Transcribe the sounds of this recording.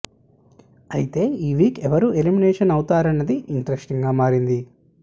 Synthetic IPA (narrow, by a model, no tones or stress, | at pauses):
ɐjit̪e̞ːiːʋiːkɛʋɐɾuelimineːʂɐnɐwut̪aːɾɐnːɐd̪iʔiɳʈɐɾesʈiŋɡaːmaːɾind̪i